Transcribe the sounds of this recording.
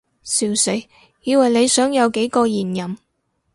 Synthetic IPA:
siː˨˩wse˨˥j | jiː˨˧wɐ˨jle˨˧jsœː˨˥ŋjɐ˨˧wke˨˥jkɔː˧jiː˨˩njɐ˨˩m

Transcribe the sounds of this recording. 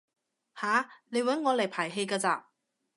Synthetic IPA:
haː˨˥ne˨˧jwɐ˨˥nŋɔː˨˧lɐ˨˩jpʰaː˨˩jɦe˧jkaː˧t͡sa̰ː˧

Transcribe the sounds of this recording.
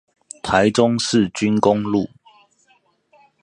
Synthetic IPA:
t̪ʰa˨˦ɪʈ͡ʂʊ˦ŋsɻ̩˥˨t͡ɕy˦nkʊ˦ŋlu˥˨

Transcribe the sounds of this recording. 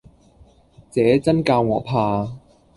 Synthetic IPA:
t͡sɛː˨˥t͡sɐ˥nkaː˧wŋɔː˨˧˥pʰaː˧

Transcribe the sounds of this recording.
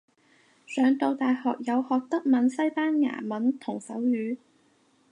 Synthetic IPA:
sœː˨˧ŋt̪o˧wt̪aː˨jhɔː˨k̚jɐ˨˧whɔː˨k̚t̪ɐ˥k̚mɐ˨˥nsɐ˥jpaː˥nŋa̰ː˨˩mɐ˨˥nt̪ʰʊ˨˩ŋsɐ̰˨˥wjyː˨˧

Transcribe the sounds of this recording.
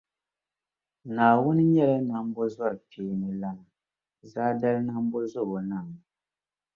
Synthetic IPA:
naː˨wʊ˦n˦ɲɛ˦la˦na˦m˦bɔ˦za˦˨piː˨˦nɨ˨la˦na˨ | zaː˦da˦lna˦m˦bo˦zʊ˦˨bo˨na˦˨m˨

